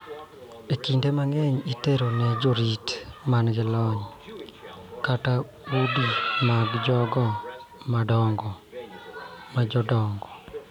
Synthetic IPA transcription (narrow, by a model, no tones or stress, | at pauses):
ekindemaŋɛɲiteɾonɛd͡ʒoɾitmanɡɪlɔɲ | kata | udimaɡd͡ʒɔɡɔmadɔŋɡɔ | mad͡ʒɔdɔŋɡɔ